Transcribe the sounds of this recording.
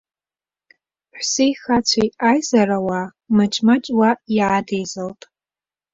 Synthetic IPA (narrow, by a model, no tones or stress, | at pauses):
ħʷsejxat͡sʷʰajajzaɾawa | mɨt͡ʃʼmat͡ʃʼwaiʕadejzaltʼ